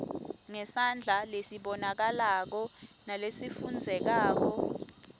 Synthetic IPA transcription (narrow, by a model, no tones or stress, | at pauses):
ŋɛsand͡ɮʱalesiɓɔnak̬alak̬ɔnalesifund͡zʱɛk̬aːk̬ɔ